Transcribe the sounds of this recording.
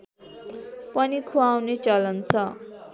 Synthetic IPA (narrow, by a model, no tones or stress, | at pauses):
pʌnikʰuawnet͡sʌlʌnt͡sʰʌ